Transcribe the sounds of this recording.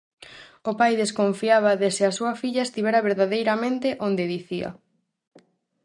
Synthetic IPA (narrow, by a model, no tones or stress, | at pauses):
ʊpajðeskoɱfiaβ̞ɐðesɪɐsuɐfiʎɐest̪iβ̞ɛɾɐβeɾðaðejɾɐmẽnt̪eʔond̪eðiθiɐ̰